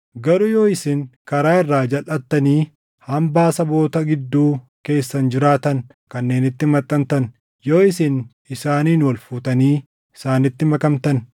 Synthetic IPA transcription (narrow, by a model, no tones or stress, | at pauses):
ɡɐɾʊjo̞ːɪsɪŋkɐɾaːɪrːaːd͡ʒɐlʔɐt̪ːɐniː | hɐmbaːsɐbo̞ːt̪ɐɡɪd̪ːuːke̞ːsːɐnd͡ʒɪɾaːt̪ɐn | kɐnːe̞ːnɪt̪ːɪmɐt̪ʼːɐnt̪ɐn | jo̞ːɪsɪn | ɪsaːniːnwɐlfuːt̪ɐniː | ɪsaːnɪt̪ːɪmɐkɐmt̪ɐn